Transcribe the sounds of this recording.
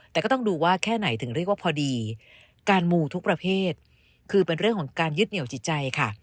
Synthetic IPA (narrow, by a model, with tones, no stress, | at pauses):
t̪ɛː˨˩kɔː˥˩˥ŋduː˧waː˥˩kʰɛː˥˩na˩˦jt̪ʰɯ˨˩˦ŋɾi˥˩ək̚waː˥˩pʰɔː˧diː˧ | kaː˧nmuː˧t̪ʰu˦˥kpɾa˧pʰeː˥˩t̪̚ | kʰɯː˧pe˧nɾɯ˥˩əŋkʰɔ˨˩˦ŋkaː˧njɯ˦˥t̪̚ni˩˦wt͡ɕʰi˨˩t̪̚t͡ɕa˧jkʰa˥˩